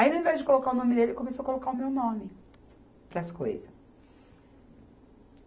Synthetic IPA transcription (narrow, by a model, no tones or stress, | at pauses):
aĩnʊĩvɛzd͡ʒɪkolokaʊnõmɪd̪elɪkõmesowɐkolokaʊmewnõmɪ | pɾɐsko̰jzɐ